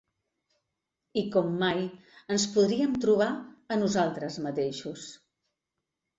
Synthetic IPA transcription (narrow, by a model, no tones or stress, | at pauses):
ikɔmːajənspuðɾiəmt̪ɾuβ̞aənuzalˠt̪ɾəzmət̪eʃus